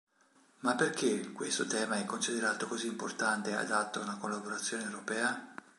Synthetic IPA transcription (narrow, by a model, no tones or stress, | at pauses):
mapːerkekːwest̪ot̪ɛːmaɛkːonsid̪eɾaːt̪okoziːmport̪ant̪ea̰d̪at̪ːoaunakolːaboɾat̪sːjoːnewɾopɛːa